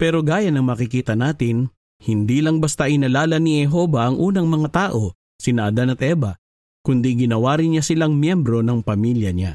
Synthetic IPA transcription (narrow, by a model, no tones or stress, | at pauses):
pɛːɾo̞ɡaːjɐnɐŋmɐːkɪkiːt̪ɐnaːt̪ɪn | hɪnd̪iːlɐŋbɐst̪aʔɪnɐlaːlɐnihɛɦo̞bɐʔɐŋʔuːnɐŋmɐŋat̪aːʔo̞ | sɪnɐʔɐd̪anɐt̪̚ʔɛːbɐ | kʊnd̪iɡɪnɐwaːɾɪnɲasɪlaŋmjɛmbɾo̞nɐŋpɐmiljɐɲa̰